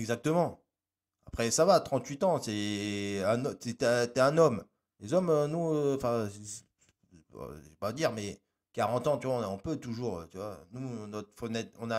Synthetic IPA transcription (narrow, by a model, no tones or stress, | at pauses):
ɛɡzak̚t̪əmɑ̃ | apχɛsavat̪χɑ̃t̪ɥit̪ɑ̃sɛ | ɛ̃nɔt̪ɛt̪ɛt̪yɛɛ̃nɔm | lezɔmønuɑ̃fɛ̃i | ʒepad̪iʁmɛ | kaʁɑ̃t̪ɑ̃t̪yvaɔ̃naɔ̃pøt̪uʒuːʁ̰t̪yvwanunɔt̪χfɔnɛt̪ɔ̰̃na